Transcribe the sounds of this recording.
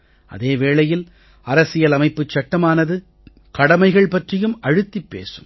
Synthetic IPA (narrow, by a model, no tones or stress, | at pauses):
ʔɐ̰ðeːʋeːɭɐjɪl | ɐɾɐsɪjɐlɐmɐɪpːɯt͡ʃːɐʈːɐmaːnɐðɯ | kɐɽɐmɐɪɣɐɭpɐʈrɪjɯmɐɻɯt̪ːipːḛːsɯm